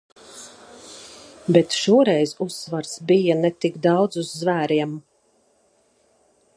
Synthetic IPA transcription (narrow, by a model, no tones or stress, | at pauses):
bɛt̪ʃuɔɾɛjzusːvaɾsbijanɛt̪ikd̪ɑwd̪zuzːvæːɾiɛm